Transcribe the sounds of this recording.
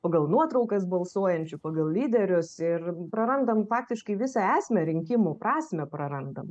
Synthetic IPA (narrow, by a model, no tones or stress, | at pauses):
pɐɡɐlˠnuɔt̪ɾɐʊkɐsbɐlˠsuɔjɛnʲt͡ʃʲʊpɐɡɐlˠlʲiːd̪ʲɛɾʲʊsɪrpɾɐɾɐnd̪ɐmfɑːk̚t̪ʲɪʃkɐɪʋʲɪsɑæːsʲmʲɛɾʲɪŋʲkʲɪmʊpɾɑːsʲmʲɛpɾɐɾɐnd̪ɐm